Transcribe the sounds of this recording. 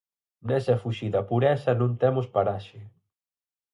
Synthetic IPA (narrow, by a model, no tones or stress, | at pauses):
nɛsɐfuʃiðɐpuɾɛsɐnõŋt̪ɛmʊspaɾaʃɪ